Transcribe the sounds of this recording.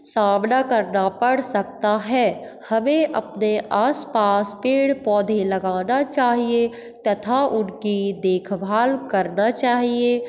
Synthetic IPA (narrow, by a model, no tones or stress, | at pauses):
saːmnakəɾnapəɽsək̚t̪aɦɛː | həmẽʔɐ̰pneʔaːspaːspeːɽpɔːd̪ʱeləɡaːnat͡ʃaːɦie | t̪ɐt̪ʰaʊnkid̪eːkʰbʱaːlkəɾnat͡ʃaːɦie